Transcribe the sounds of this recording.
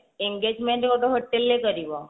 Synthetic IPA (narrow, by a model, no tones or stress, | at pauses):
eŋɡed͡ʒmẽɳʈkoʈoɦoʈːelːekəɾiʋo